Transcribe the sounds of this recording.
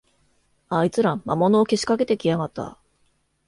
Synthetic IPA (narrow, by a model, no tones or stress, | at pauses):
ait͡sɨɾãmmamo̞noːke̞ɕi̥kake̞t̪e̞kʲijaɡat̪ːa̰